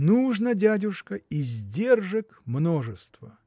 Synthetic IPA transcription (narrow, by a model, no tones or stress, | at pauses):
nuʐnədʲædʲʊʂkəizʲdʲe̞rʐɨkmno̞ʐɨst̪və